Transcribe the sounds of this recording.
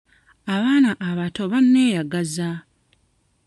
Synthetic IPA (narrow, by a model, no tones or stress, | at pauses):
aβaːnaʔːβato̞βanːe̞ːjaɡaza